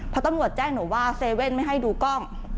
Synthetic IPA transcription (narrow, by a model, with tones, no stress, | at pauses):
ppʰɔ˧t̪a˧mɾu˨˩ət̪̚t͡ɕɛː˥˩ŋnoː˩˦waː˥˩seː˧we˥˩nma˥˩jɦa˥˩jduː˧kɔ˥˩ŋ